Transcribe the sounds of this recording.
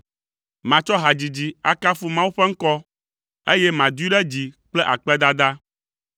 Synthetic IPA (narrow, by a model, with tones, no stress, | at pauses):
mã˨t͡ʃɔ˦ɦa˨d͡ʑi˨d͡ʑi˨a˨ka˦fu˦mã˦wu˦ɸɛ˦ŋ̩˦kɔ˦ | e˦jɛ˦mã˨d̪u˦i˦ɖɛ˦d͡ʑi˨k͡plɛ˦ʔa˨k͡pɛ˦d̪a˦d̪a˦